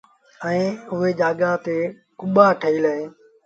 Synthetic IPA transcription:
ɛ̃ːʊɦeːd͡ʒaːɠaːt̪eː | kʊɓaːʈʰəiːlaẽː

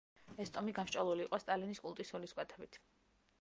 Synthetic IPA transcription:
ɛst̪ʼɔmiɡamʃt͡ʃʼɔlˠuliːqʼɔst̪ʼaliniskʼulˠt̪ʼisuliskʼwɛt̪ʰɛbit̪ʰ

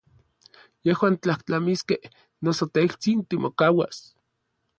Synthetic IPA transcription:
jehwaːnt͡ɬaht͡ɬamiskeh | nosot̪eilt͡sint̪imokawa̰s

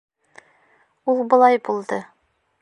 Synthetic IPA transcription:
ulˠbɤ̆lˠɑjbulˠd̪ɤ

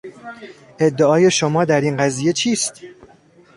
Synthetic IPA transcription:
ʔe̞d̪ːeɒːje̞ʃomɒːd̪æɾiːnɢæziːje̞t͡ʃʰiːst̪

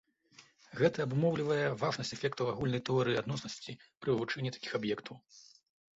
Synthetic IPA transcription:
ɣɛt̪ɐːbmɔwlʲivɐjɛvaʐnɐsʲt͡sʲɛfʲɛkt̪ɐwaɣulʲnɐjt̪ɛɔɾɨiad̪nɔsnɐsʲt͡sʲipɾɨɨvut͡ʂɛnʲːit̪ḁkʲi̥xabjɛkt̪ʰɐw

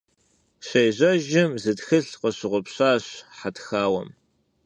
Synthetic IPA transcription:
ɕejʑʷɐʒɪmzɨtxɨɬqəɕɪʁʷʊpɕaːɕħatxaːwɐ̰m

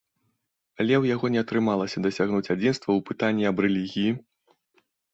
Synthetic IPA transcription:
alʲɛwjaɣɔnʲɛɐt̪ɾɨmalˠɐsʲɐd̪ɐsʲaɣnut͡sʲad͡zʲinst̪vɐwpɨt̪anʲːiɐbrɛlʲiɣʲiji

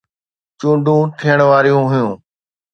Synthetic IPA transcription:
t͡ʃũːɳɖʱũːʈ̪ʰiːəɽ̃ʋaːɾijũːɦʊjũː

